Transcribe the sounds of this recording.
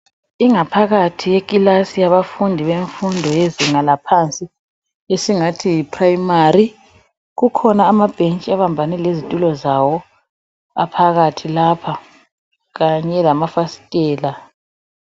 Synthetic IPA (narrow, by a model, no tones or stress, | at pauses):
iŋapʰaɣatʰijeɣʼilasijaβafundʱiβeɱfundʱɔjeziŋalapʰant͡sʼi | esiŋatʰijipʰrajimari | ɣukʰɔnaːmab̥ʱent͡ʃʼiaβambʱanɛlezitʼulɔzawɔ | a̰pʰaɣatʰilapʰa | ɣaɲɛlamafasi̥tʼɛːla